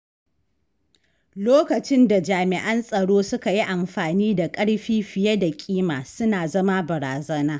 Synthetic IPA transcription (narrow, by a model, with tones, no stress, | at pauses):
loː˦kɐ˨t͡ʃɪ˦nda˨d͡ʒaː˨mɪ˨ʔɐ˦nsʼɐ˨ɽoː˦sʊ˦ka˨ji˦ʔa˨mɸaː˨niː˦da˨kʼɐ˦ɽɸiː˦ɸɪ˨jɐ˦da˨kʲʼiː˦maː˨sʊ˦naː˨zɐ˦ma˦bɐ˨ɾaː˨zɐ˦naː˦